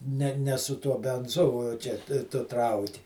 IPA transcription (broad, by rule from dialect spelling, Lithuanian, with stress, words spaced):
ˈnʲɛ ˈnʲɛ sʊ ˈtuɔ bʲɛnˈzʊ oː ˈt͡ʃʲɛ tʊ ˈtrɐʊkʲɪ